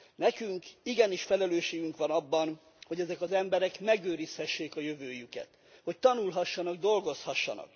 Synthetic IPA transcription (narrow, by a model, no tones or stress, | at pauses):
nɛkyŋkiɡɛniʃfɛlɛløːʃeːɡyŋkʋɒnɒbːɒn | ho̞ɟɛzɛkɒzɛmbɛɾɛkmɛɡøːɾishɛʃːeːkɒjøvøːjykɛ̰t̪ | ho̞c̚t̪ɒnulɦɒʃːɒnɒɡ̚d̪o̞lɡo̞shɒʃːɒ̰nɒ̰k